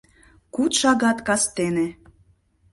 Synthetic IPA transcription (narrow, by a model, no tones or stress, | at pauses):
kut̪ʃɑɣɑt̪kɑst̪enĕ